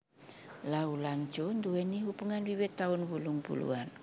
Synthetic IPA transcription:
laulant͡ʃondueniɦupuŋanwiwet̪ːaunbuluŋpṵlṵan

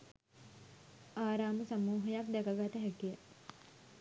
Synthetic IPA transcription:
aːɾaːməsamuːɦəjakd̪ɛkɐɡat̪əɦækijə

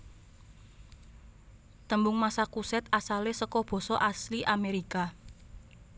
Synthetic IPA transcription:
t̪əmbʊŋmasakusɛt̪̚asalesəkɔb̥ɔ̤sɔʔasliʔameɾika

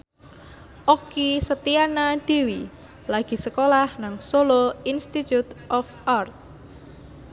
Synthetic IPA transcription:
ʔɔkisət̪ianad̪̥iwi | laɡ̥i̤səkolahnaŋsoloinst̪it̪jut̪ʔɔfart̪̚

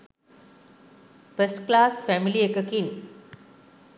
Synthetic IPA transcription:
fəsʈklaːsfɛmiliekəkin

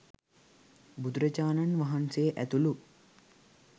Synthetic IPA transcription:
bud̪uɾɐt͡ʃaːnanʋaɦanseʔæt̪ulu

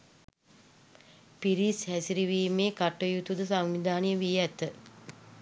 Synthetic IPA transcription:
piɾishæsiɾiʋiːmeːkaʈːəjut̪ud̪əsaŋʋid̪ʱaːnijəʋijæt̪ə

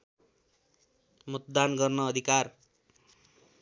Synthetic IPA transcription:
mʌt̪d̪anɡʌrnʌːd̪ʱikar

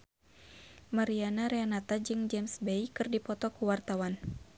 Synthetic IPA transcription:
maɾianaɾeanat̪ad͡ʒɨŋd͡ʒɛmsbejkɨrdipɔt̪ɔkuwart̪awan

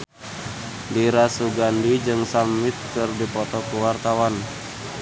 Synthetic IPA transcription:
diɾasuɡandid͡ʒɨŋsamːit̪̚kɨrdipɔt̪ɔkuwart̪awan

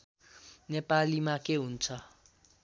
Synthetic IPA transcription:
nɛpʼalimakʼeun̩ːt͡sʰa

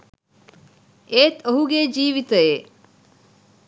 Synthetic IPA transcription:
eːt̪oɦuɡeːd͡ʒiːʋit̪əeː

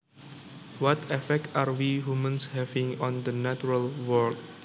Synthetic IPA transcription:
wɔtʰɛfɛk̚taɹwihumə̃nshɛvĩŋɔ̃ndənat͡ʃuɹəlwɔk̚

